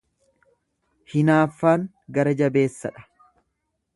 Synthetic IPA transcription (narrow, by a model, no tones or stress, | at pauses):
hɪnaːfːaːŋ | ɡɐɾɐd͡ʒɐbe̞ːsːɐᶑɐ̥